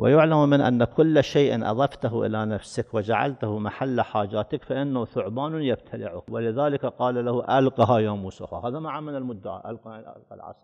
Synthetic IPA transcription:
wɪ̰jʊʕlammːɪnʔa̰nːakʊlːʃeːʔɪnʔɑ̰ðˤɑft̪aɦuʔɪ̰lanafsɪkwɪd͡ʒaʕa̰lt̪ʊhʊmaħalːaħaːd͡ʒaːt̪ɪkfaʔɪnːahθʊʕbaːnjab̚t̪ʰalɪʕʊhwɪlɪðaːlɪkaqɑːlalahuʔalqɑɦajaːmuːsʊ̰hahaːðamaʕamːɪnalmʊd̪ːaʕa̰ʔa̰lqaʔa̰lqa̰lʕa̰sˤ

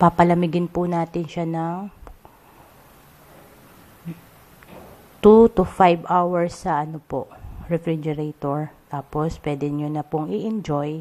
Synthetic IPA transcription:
papɐlɐmɪɡɪnpʊnaːt̪ɪnʃanɐŋ | t̪ut̪ʊfajbʔawɛɹsːɐʔɐnopoʔɹɛfɾid͡ʒɛɾɛt̪oɹt̪aːpospwɛːd̪ɛɲʊnɐpʊŋɪʔɪnd͡ʒoj

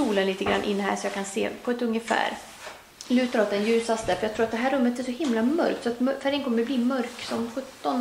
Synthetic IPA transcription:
uːlənliːt̪əɡɾa̰nʔɪ̰nːɦæ̰ːʂɔjɑːɡkʰansḛːpʰɔɛt̪ɵŋːəfæ̰ːɾ | lʉ̟ːt̪aɾɔt̪ːɛnjʉ̟ːsast̪əfœɾjɑɡt̪ʰɾuːɾt̪d̪ɛɦæːɾːɵmːət̪æʂɔhɪmlamœ̰ɾk̚t̪sɔat̪mfæɾɪəŋkʰɔmːəɾbliːmœɾksɔmɧɵt̪ːɔn

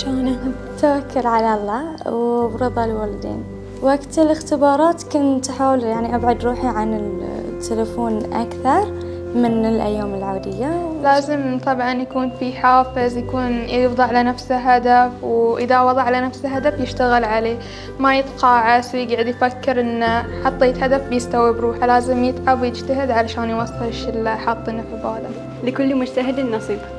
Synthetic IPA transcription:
ʃoːna | t̪awakʰːʊɾʕalalˤːɑːwbɾɨðˤɑlwalad̪ḛːn | waɡt̪ɪlɪxt̪ɪbɑːɾˤɑːt̪kʊnt̪ħaːwljaʕniʔabʕʊd̪ɾuːħiʕanɪlt̪ʰːɪlafoːnʔa̰kθɑɾˤ | mɪnɪlʔa̰jːaːmɪlʕaːd̪ɪjːalaːzɪmt̪ˤɑbʕɑnjakuːnfiħaːfɪzjakuːnjjɪfðˤɑʕalanafsaɦad̪afwʔɪðawɑðˤɑʕalanafsaɦad̪afjɪʃt̪aɣɪlʕaleː | majɪt̪ˤqɑːʕaswɡaʕɪd̪jfakːɪɾʔɪnːaħɑt̪ˤːeːt̪had̪afbjɪst̪awibɾuːħalaːzɪmjɪt̪ˤʕabwjɪd͡ʒt̪aɦɪd̪ʕalaʃaːnjwɑsˤːɪʃɪlːaħɑt̪ˤːinafbaːlam | lɪkʊlːumʊd͡ʒt̪aɦɪd̪ɪnːɑsˤiːb

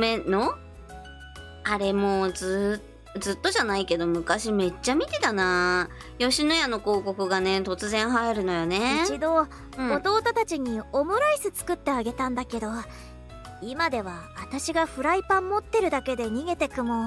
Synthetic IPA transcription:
meno | aɾe̞mo̞zɨ | zɨt̪ːo̞ʑanaike̞d̪o̞mɯ̟kaɕime̞t͡ɕːamʲit̪e̞t̪ana | jo̞ɕinojano̞ko̞ːko̞kɯ̟ɡane̞t̪o̞t͡sɨzẽ̞ɰ̃ɦaiɾɯ̟no̞joneit͡ɕid̪õ̞ | ot̪o̞ːt̪ot̪at͡ɕiɲ̟io̞moɾaisɨt͡sɨ̥kɯ̟t̪ːe̞aɡe̞t̪ãnd̪ake̞d̪o̞ | imad̪e̞β̞aβat̪aɕiɡaɸɯ̟ɾaipãmːo̞t̪ːe̞ɾɯ̟d̪ake̞d̪e̞ɲ̟iɡe̞t̪e̞kɯ̟mo̞

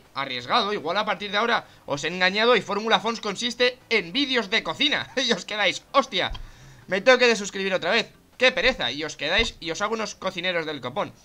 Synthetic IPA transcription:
a̰rje̞zɣaðo̞iɣwalapaɾt̪iɾð̞eao̞ɾa | o̞̰se̞ŋɡaɲað̞oifo̞ɾmulafo̞nsko̞nsist̪e̞ːmbiðjo̞zðe̞ko̞θina̰io̞ske̞ðajso̞st̪ja̰met̪ookeðes̬uskɾiβiɾo̞t̪ɾaβ̞e̞θ | ke̞pe̞ɾe̞θa̰io̞ske̞ðajsio̞sauno̞sko̞θine̞ɾo̞zðe̞lko̞po̞n

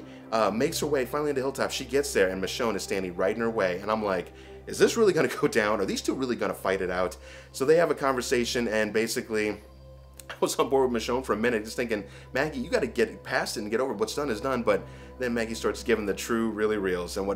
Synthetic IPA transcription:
ʔʌmeɪkshə˞weɪfãɪ̃nlˠĩntðɨhɪlˠtʰafʃiɡɛtsðə˞ɨ̃nmɨʃõʊ̃nɨz̥stæ̃ndiɹaɪɾɪ̃ŋə˞weɪɨ̃nãɪ̃mlaɪk | ɨzðɪsɹɪlˠiɡʌnɨɡoʊdãʊ̃nə˞ðiz̥tʰuɹɪlˠiɡʌnəfaɪɾɨɾaʊt | soʊðeɪɨvɨkʰɑ̃ɱvə˞seɪʃɨ̃nɨ̃nbeɪsɨkli | wʌzʌ̃nbɔɹd̚mɨʃõʊ̃nfə˞ɨmɪ̃nɨt̚d͡ʒʌsθɪ̃ŋkɪ̃ŋ | mæɡijɨɡɑɾɨɡɛt̚pʰæstɨɾn̩ɡɛɾoʊvə˞wʌtsd̥ʌ̃nɨzdʌ̃nbʌt̪̚ | ðɨ̃nmæɡistɑɹtsɡ̥ɪvɪ̃ŋðɨtʰɹ̥ʉɹɪlˠiɹilˠzɨ̃nwʌ

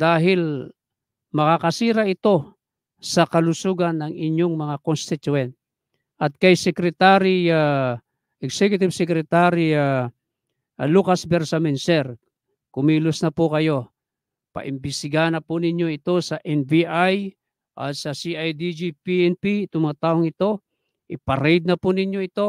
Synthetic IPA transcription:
d̪aːɦɪl | mɐkakɐsiːɾaʔɪt̪o̞ | sɐkɐlʊsuːɡanːɐŋɪɲjoŋmɐŋakonst̪ɪt̪uɛnt̪̚ | ʔɐt̪̚kajsɛkɾɛt̪aɾia | ɛɡsɛkjʊt̪ɪbsɛkɾɛt̪aɾia | lukasbɛɾsamɛnsɛɾ | kʊmiːlʊsnɐpʊkɐjo̞ | pɐ̰ʔɪmbɪst̪ɪɡaanɐpʊnɪɲo̞ɪt̪o̞sɐʔɛnviʔaj | ʔat̪sɐsiʔajd̪id͡ʒipiɛnpit̪ʊŋmɐŋat̪aːʔoŋɪt̪o̞ | ʔɪpɐɾɛjd̪̚nɐpʊnɪɲjoɪt̪o̞

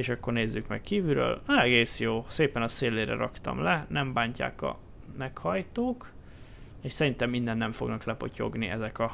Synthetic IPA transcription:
eːʃɒkːo̞rneːzːykmɛkkiːvyɾø̰ːlɛɡeːsjoːseːpɛnɒseːlːeːɾɛ̰ɾɒkt̪ɒ̰mlɛnɛmbaːɲca̰ːkɒ̰ | mɛkhɒjt̪oːk | eːʃsɛɾint̪ɛmːind̪ɛnːɛɱfo̞ɡnɒklɛpo̞co̞̰ɡniɛzɛkɒ

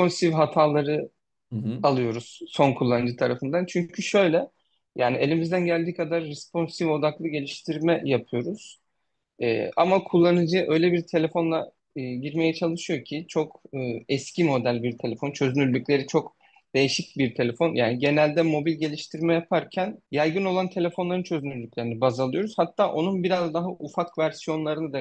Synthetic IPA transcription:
ponsivɦat̪ʰaːlˠaɾɯ | alˠɯjo̞ɾuz̥so̞nkʰulˠːanɯd͡ʒɯt̪ʰaɾafɯnd̪ant͡ʃʰyɲcʰyʃø̞jlʲɛ | jaːnielʲimizd̪ænɟælʲd̪iːkʰad̪aɾːɛspo̞nsivo̞d̪aklˠɯɟe̞lʲiʃt̪ʰiɾmɛjapʰɯjo̞ɾuz̥ | ɛ̰ːa̰makʰulˠːanɯd͡ʒɯʔø̞jlʲebiɾt̪ʰe̞lʲe̞fo̞nlˠa | ɟiɾme̞jɛt͡ʃʰalˠɯʃɯjo̞cʰit͡ʃʰo̞kɯːɛscimo̞d̪ælʲbiɾt̪ʰe̞lʲefo̞nt͡ʃʰø̞zynyɾlʲːycʲlʲe̞ɾit͡ʃʰo̞k | d̪̥e̞jiʃic̚biɾt̪ʰe̞lʲe̞fo̞njaːniɟe̞nælʲd̪ɛmo̞bilʲɟe̞lʲiʃt̪ʰiɾmɛjapʰaɾcʰænjælʲɡɯno̞lˠant̪ʰe̞lʲe̞fo̞nlˠaɾɯnt͡ʃʰø̞zynyɾlʲyclʲe̞ɾinibazalˠɯjo̞ɾuz̥hat̪ʰːaːʔo̞nunbiɾazd̪aɦaʔufakvæɾsijo̞nlˠaɾɯnɯd̪a

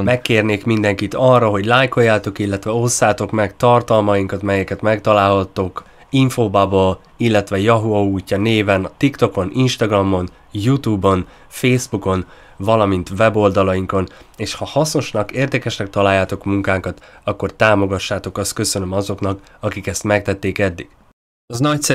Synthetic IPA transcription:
mɛkːeːrneːkmind̪ɛŋkit̪ɒrːɒɦo̞ɟlaːjko̞jːaːt̪o̞kilːɛt̪ʋɛosːaːt̪o̞kmɛkt̪ɒrt̪ɒlmɒiŋkɒt̪mɛjɛkɛt̪mɛkt̪ɒlaːlhɒt̪ːo̞k | iɱfoːbabol | ilːɛt̪ʋɛjɒɦuɒuːcːɒneːvɛnt̪ikt̪o̞ko̞nʔinʃt̪ɒɡrɒmːo̞n | jut̪uːbo̞n | feːzbuko̞n | vɒlɒmint̪vɛbo̞ld̪ɒlɒjiŋko̞n | eːʃhɒhɒsno̞ʃnɒkeːrd̪ɛkɛʃnɛk̚t̪ɒlaːjːaːt̪o̞kmuŋkaːŋkɒt̪ɒkːo̞rt̪aːmo̞ɡɒʃːaːt̪o̞kɒst̪̚kø̞sø̞nømɒzo̞knɒk | ɒkikɛst̪mɛk̚t̪ɛt̪ːeːkɛd̪ːiɡ̥ | ɒznɒcsɛ

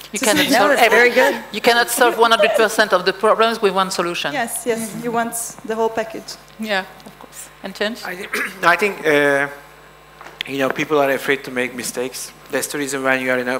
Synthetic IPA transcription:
jɨkæ̃nɔtsɔɛvɛɹiɡʊdjɨkænɔtsɔlvwʌ̃nhʌ̃ndɹəd̚pə˞sɛ̃ntɔvðəpʰɹ̥ɔblə̃mswɪðwʌ̃nsɔluʃə̃nɛsjɛshiwɑ̃ntsðəɦoʊlˠpækɪd͡ʒ | jæɔfkʰɔɹs | ɪ̃ntʰɛ̃nʃãaɪθɪ̃ŋkʌ | jɨnoʊpʰipl̩ˠaɹɨfɹeɪd̚tʰumeɪk̚mɪsteɪks | ðɛtsdəɹizɨ̃nwanjuaɹɪ̃na

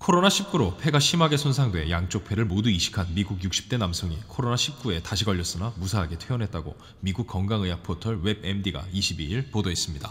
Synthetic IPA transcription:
kʰoɾonaɕʰip̚k͈uɾopʰe̞ɡaɕʰimɦaɡe̞sʰonsʰaŋdwe̞jaŋt͡ɕ͈ok̚pʰe̞ɾɯɭmoduiɕʰi̥kʰanmiɡuɡjuk̚ɕ͈ʰi̥p̚t͈e̞namsʰoŋikʰoɾonaɕʰip̚k͈ue̞taɕʰiɡʌʎːʌs͈ɯnamusʰaɦːɡe̞tʰeʌnɦe̞t̚t͈aɡo̰ | miɡuk̚k͈ʌŋɡaŋɯjapʰotʰʌɭwe̞be̞mdiɡa̰iɕʰibiiɭpodoɦes͈ɯmɲida

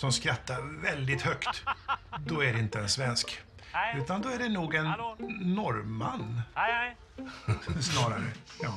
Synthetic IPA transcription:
sɔmskɾat̪ʰːaɾvɛld̪ɪt̪hœkt̪d̪ɔæɖɛɪnt̪əɛnsvɛnsk | ʉ̟ːt̪and̪ɔæɖɛnuːɡɛnːɔɾma̰nː | snɑːɾaɾə̰jɑː

